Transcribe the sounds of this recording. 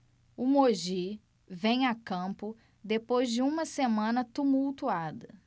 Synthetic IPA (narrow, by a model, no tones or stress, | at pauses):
ʊmoʒi | vẽj̃akɐ̃pʊ | d̪epojzd͡ʒɪũmɐsemɐ̃nɐt̪umuwt̪uad̪ɐ